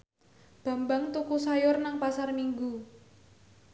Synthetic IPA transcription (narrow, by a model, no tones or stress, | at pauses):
b̥a̤mbaŋt̪ukusajʊrnaŋpasarmiŋɡu